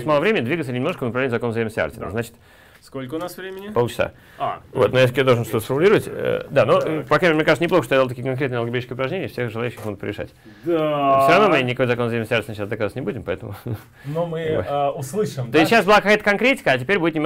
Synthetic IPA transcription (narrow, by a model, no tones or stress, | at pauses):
st̪malˠəvɾʲemʲɪnʲɪd̪vʲiɡət̪sənʲɪmnoʂkəvnpɾɐvlenʲɪʊzkozeməstʲɪa̰t̪ʲɪ̰nə̰znat͡ɕɪ̥t̪ | skolʲkəʊnasvɾʲemʲɪnʲɪpot͡ɕɪsa̰ | avo̞t̪nojas̬kʲjad̪olˠʐənʂt̪o̞t̪əsfəɾmʊlʲiɾəvətʲə̰d̪anopakamnʲekat̪ənɪploxəʂt̪ojd̪l̬ˠkʲijəkɐnkɾʲet̪nəlˠɡɪbʲed̪ʲit͡ɕɪ̥skʲəɪʊpɾɐʐnʲenʲɪəfsʲexʐɨlˠaʉɕːʲɪxmoɡʊt̪pɾɪ̰vɪʂa̰t̪ʲ | fsʲoɾɐvno̞mɨnʲɪkojzɐkozɐjiməsʲtʲɪartʲɪnəɕasd̪əkazat̪ʲnʲɪbudʲɪmpɐɛt̪əmʊ̰ | nomɨʊslˠɨʂɨmt̪osʲɕasbɨlˠakɐkajət̪əkɐnkɾʲetʲɪ̥kəɐtʲɪpʲeɾʲbudʲɪt̪nʲɪm